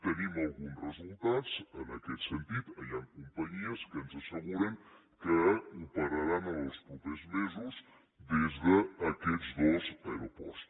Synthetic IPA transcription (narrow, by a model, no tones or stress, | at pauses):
t̪ənimalˠɣunsrəzulˠt̪at̪sənakɛt̪sent̪it̪aʎaŋkumpaɲiəskənzasəɣuɾeŋ | kəupaɾaɾanalospɾupezmezuz | ðezðəːkɛtzd̪ozeɾopɔ̰st̪